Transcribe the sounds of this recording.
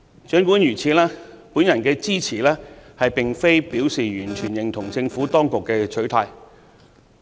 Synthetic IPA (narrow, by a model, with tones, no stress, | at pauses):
t͡ʃœː˨˥ŋkuː˨˥njyː˨˩t͡sʰiː˧lɛː˥puː˨˥njɐ˨˩nkɛː˧t͡siː˥t͡sʰiː˨˩lɛː˥hɐ˨jpɪ˨ŋfe˥jpiː˨˥wsiː˨jyː˨˩nt͡ʃʰyː˨˩njɪ˨˩ŋt̪ʰʊ˨˩ŋt͡sɪ˧ŋfuː˨˥t̪ɔː˥ŋkʊ˨kːɛː˧t͡ʃʰɵ˨˥ɥt̪ʰaː˧j